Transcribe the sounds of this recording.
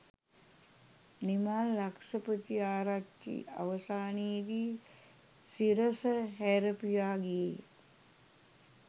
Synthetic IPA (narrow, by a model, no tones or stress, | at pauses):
nimalːakʂɐpət̪iaːɾakḭa̰ʋəsaːniːd̪iː | siɾəsəɦɛɾɐpijaːɡeje